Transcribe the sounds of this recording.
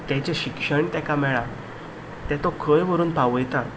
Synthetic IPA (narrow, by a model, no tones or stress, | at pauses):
t̪jɛ̃t͡ɕeɕikʂəɳt̪jãkamɛɭa | t̪jɛt̪okʰəjʋəɾuːnpaʋjt̪at̪